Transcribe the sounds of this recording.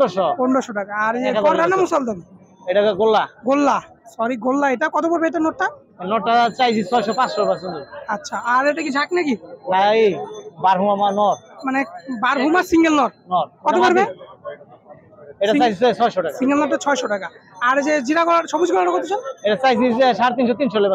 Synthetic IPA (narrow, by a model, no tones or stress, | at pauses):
ɖɔʃɔkɔɳɖɔʃɔʈakaːɾekaɔɾɾanamusald̪ɔn | ejʈakaɡolːaɡolːa | sɔɾiɡolːaeʈakɔt̪obɔɾbeet̪enɔʈːa | nɔʈːat͡ɕajsʰit͡ɕʰɔjʃɔpãsʃɔapasond̪uatːʃʰaaɾejʈakid͡ʑʱaknakitajbaɾbʱumamanɔɾmanebaɾbʱumasiŋɡelnɔɾ̚nɔɾkɔt̪obɔɾbe | eʈaajsiset͡ɕʰɔjʃɔʈakasiŋɡelnɔʈːat͡ɕʰɔeʃɔʈakaaɾd͡ʑed͡ʑiɾaɡɔlaɾʃʰɔbud͡ʑɡɔlaʈakoɾt̪it͡ɕʰɔnejʈat͡ɕajsʰiʃaɾt̪̬inʃ̬ɔt̪inʃoleba